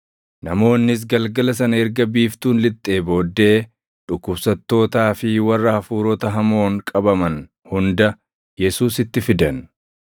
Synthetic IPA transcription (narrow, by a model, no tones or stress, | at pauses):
nɐmo̞ːnːɪs̬ɡɐlɡɐlɐs̬ɐnɐɛɾɡɐbiːft̪uːnlɪt̪ʼːe̞ːbo̞ːd̪ːe̞ː | ᶑʊkːʊbsɐt̪ːo̞ːt̪aːfɪwɐrːɐhɐfuːɾɔt̪ɐɦɐmo̞ːŋkʼɐbɐmɐn | hʊnd̪ɐ | jɛsuːsɪt̪ːɪfɪd̪ɐn